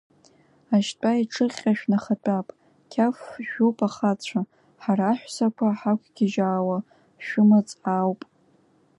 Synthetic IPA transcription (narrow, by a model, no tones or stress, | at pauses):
aʃtʷʼaiʈ͡ʂʰɨχʲʼaʃᶣnaχat͡pʼapʼ | kʲʰafʒᶣopʼaχat͡ɕʷʰa | ħaɾaːħᶣʷsakʷʰaħakʷʰɡʲɪʒaːwa | ʃᶣʊmat͡sʼawpʼ